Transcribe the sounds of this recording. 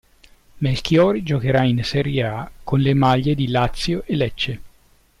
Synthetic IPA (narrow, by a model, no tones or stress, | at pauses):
melkjɔːɾid͡ʒokeɾainsɛɾjeakonlemaʎːed̪ilat̪sːjoʔelɛt͡ʃːe